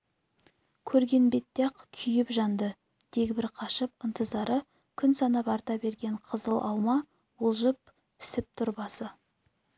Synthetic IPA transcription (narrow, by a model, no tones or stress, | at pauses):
kʲʰɵɾɡʲe̞nbe̞t̪ːeqkʲʰʏjɪpʒɑnd̪ə | d̪̥e̞ɡʲbɪɾqʰɑʃəp̚ənt̪ʰəzɑɾʔə | kʲʰʏnsɑnɑpɑɾt̪ɑbe̞ɾɡʲe̞ɴqʰəzəlˠʔɑlˠmɑ | wolˠʒəp̚ | pʰɪ̥sɪp̚t̪ʰʊɾbɑsə